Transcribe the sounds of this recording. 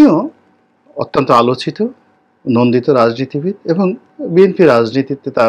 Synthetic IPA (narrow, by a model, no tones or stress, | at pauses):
ijɔ | ɔ̰t̪ːɔnt̪ɔalot͡ʃit̪ɔ | nond̪it̪ɔɾad͡ʒnit̪ibʱit̪ebɔŋ | bienpiɾad͡ʒnit̪it̪ːet̪a